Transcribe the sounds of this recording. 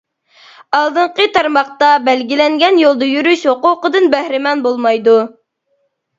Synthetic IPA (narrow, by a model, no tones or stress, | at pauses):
ɑlˠd̪ɨɴqət̪ʰɑɾmɑχt̪ɑbælɡʲilɛŋɡʲɛnjolˠd̪ɑjyɾyʃwoqʊqəd̪ɨnbæhɾɪmɑnbolˠmɑjd̪u